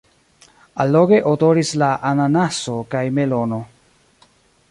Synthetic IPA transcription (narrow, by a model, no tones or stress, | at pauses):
alːoɡe̞ʔodoɾislaʔananasokajme̞lo̞no̞